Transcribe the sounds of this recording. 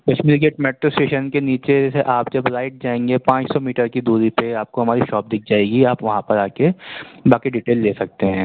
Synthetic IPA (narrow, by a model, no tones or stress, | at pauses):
kɐʃmiːɾɡeːʈmɛːʈɾosʈeːʃənkeniːt͡ʃeseʔaːpd͡ʒɐbɾaːɪʈ̚d͡ʒaːẽːŋɡepãːt͡ʃsɔmiːʈəɾkid̪uːɾipeaːp̚koɦɐmaːɾiʃɔːp̚d̪ɪk̚ʰd͡ʒaːeːɡiaːpʋɐɦãpɐɾaːkebaːkiɖiʈeːlːeːsɐk̚t̪eɦɛ̃ː